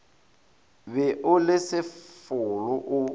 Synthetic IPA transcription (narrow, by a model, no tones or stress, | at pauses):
bɛʔʊlɪsɪfʊlʊʔʊ